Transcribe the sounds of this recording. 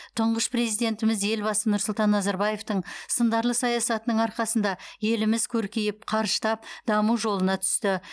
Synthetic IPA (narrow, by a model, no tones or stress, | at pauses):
t̪ʰʊɴʁəspre̞zijd̪e̞nt̪ɪmɪzje̞lbɑsənʊɾsʊlˠt̪ɑnːɑzɑɾbɑje̞ft̪əɴsənd̪ɑɾlˠəsɑjɑsɑt̪ənəɴɑɾqɑsənd̪ɑje̞lɪmɪzkʲʰɵɾkʲijɪp̚qʰɑɾʒət̪ɑp̚d̪ɑmuwʒo̞lˠənɑt̪ʰʏ̥st̪ɪ